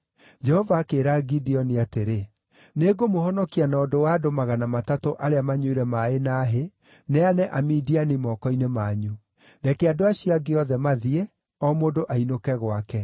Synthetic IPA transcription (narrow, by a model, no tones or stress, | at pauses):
d͡ʒɛhɔvaːkeːɾaɡidiɔniateɾe | neːɡomohɔnɔkianɔːdowaːdomaɣanamatatoʔaɾeamaɲweɾɛmaenaːɦe | nɛanɛʔamiːdianimɔkɔinemaɲu | ndɛkeadoaɕiaɡeɔðɛmaðiɛ | ɔmodoʔainokɛɣwakɛ